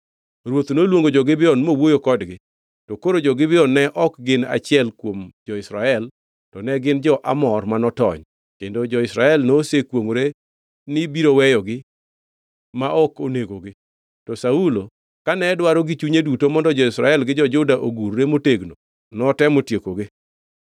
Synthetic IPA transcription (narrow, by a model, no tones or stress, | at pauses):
ɾwot̪nolwoŋɡod͡ʒɔɡɪbɪɔnmowojokɔdɡɪ | tɔkoɾod͡ʒɔɡɪbɪɔnːɛʔɔkɡɪna̰t͡ʃɪɛlkwomd͡ʒɔɪsɾaɛl | tɔnɛɡɪnd͡ʒɔʔa̰mɔrmanɔtɔ̰ɲ | kendod͡ʒɔɪsɾaɛlnosekwoŋɾe | nɪbiɾowɛjɔɡɪ | maʔɔkoneɡoɡɪ | tɔsaulo | kanɛdwaɾoɡit͡ʃuɲedutomɔndɔd͡ʒɔɪsɾa̰ɛlɡɪd͡ʒɔd͡ʒʊdaʔoɡurːemoteɡno | nɔtɛmotjekoɡɪ